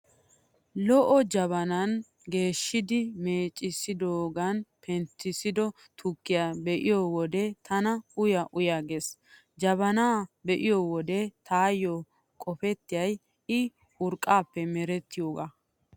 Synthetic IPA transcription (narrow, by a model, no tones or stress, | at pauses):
lɔʔɔd͡ʒɐβɐnɐn | ɡe̞ːʃːɪd̪ɪmeːt͡ʃʼːɪsɪd̪oːɡɐnpʰɛnt̪ːɪsɪd̪ɔ | t̪ʰʊkːɪjaːbɛʔɪjoːwɔd̪ɛt̪ʰɐnɐʊjɐʔʊjaːɡeːs | d͡ʒɐβɐnaːbɛʔɪjoːwɔd̪ɛt̪ʰaːjːo | kʼɔfɛt̪ːɪjɐj | ɪ | ʊɾkʼːaːpːɛmɛɾɛt̪ːɪjoːɡa